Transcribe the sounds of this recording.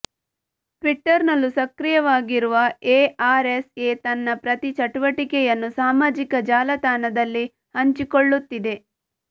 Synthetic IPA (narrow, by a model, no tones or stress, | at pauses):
ʈʋiʈːɐɾnɐlːusɐkɾijɐʋaːɡiɾuʋɐeːaːɾeseːt̪ɐnːɐpɾɐt̪it͡ʃɐʈuʋɐʈikɛjɐnːusaːmaːd͡ʒikɐd͡ʒaːlɐt̪aːnɐd̪ɐlːi | hɐɲt͡ʃikoɭːut̪ːid̪e̞